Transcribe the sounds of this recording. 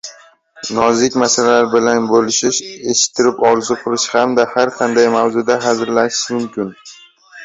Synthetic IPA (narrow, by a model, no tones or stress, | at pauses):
nɒzɪkʲmasalalaɾbɪlanbolɪʃɪʃe̞ʃɪ̥t̪ʰːɪɾɪpɒɾzʊqʰɨlˠɪʃhamd̪ahaɾqʰɑnd̪ajmawzʊd̪aɦazɾlaʃɪ̥ʃmʊmkʲɪn